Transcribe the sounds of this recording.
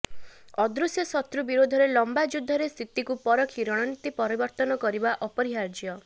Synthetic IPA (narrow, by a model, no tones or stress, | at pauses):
ɔd̪ɾusjɔsɔt̪ɾubiɾod̪ʱɔɾelɔmbad͡ʒud̪ʱːɔɾest̪ʰit̪ikupɔɾɔkʰiɾɔɽ̃ɔnit̪ipɔɾibɔɾt̪ɔnɔkɔɾibaʔɔpɔɾiɦaɾd͡ʒjɔ